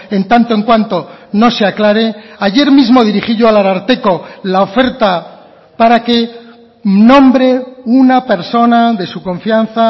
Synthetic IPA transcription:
ent̪ant̪oe̞ŋkwant̪o̞no̞seaklaɾe̞aʝe̞ɾmizmo̞ðiɾiχiʝoalaɾaɾt̪e̞ko̞lao̞fe̞ɾt̪a | paɾake̞ | nõ̞mbɾe̞unape̞ɾso̞naðe̞sukõ̞ɱfjan̟θa

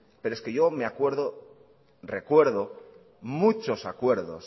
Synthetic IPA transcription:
peɾoeskeʝo̞meakwe̞ɾðo | re̞kwe̞ɾðo | mut͡ʃo̞sakwe̞ɾðo̰s

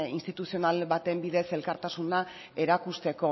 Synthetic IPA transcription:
inst̪it̪usio̞nalβat̪e̞mbiðe̞se̞lkaɾt̪asuna | e̞ɾakust̪e̞ko̞

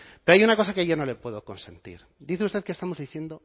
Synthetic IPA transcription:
peɾoajunako̞sakeʝono̞le̞pwe̞ðo̞ko̞nse̞nt̪ḭɾ | d̪iθeust̪ekest̪amo̞zðiθje̞nd̪o̞

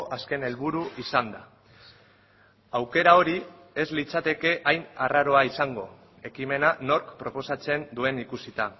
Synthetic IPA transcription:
ʔaske̞ne̞lβuɾuisand̪a | awke̞ɾao̞ɾi | e̞zlit͡sat̪e̞ke̞ʔajnaraɾo̞aisaŋɡo̞ | e̞kime̞nano̞ɾkpɾo̞po̞sat͡se̞nd̪ue̞nikusit̪a

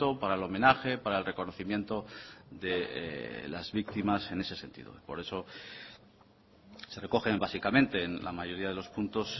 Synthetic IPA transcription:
o̞paɾaelo̞mẽ̞naxe̞paɾaelre̞ko̞no̞θimje̞nt̪o̞ðe̞̰ | lazβik̚t̪imase̞ne̞se̞se̞nt̪ḭðo̰ipo̞̰ɾe̞so̞ | se̞re̞ko̞xe̞mbasikamẽ̞nt̪e̞ːnla̰maʝo̞ɾiað̞elo̞spunt̪o̞s

